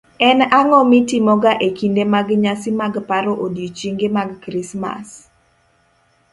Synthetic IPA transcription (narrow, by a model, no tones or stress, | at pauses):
ɛnaŋɔmitimɔɡaʔekindemaɡɲasimaɡpaɾɔʔodiot͡ʃiŋɡemaɡːɾisma̰s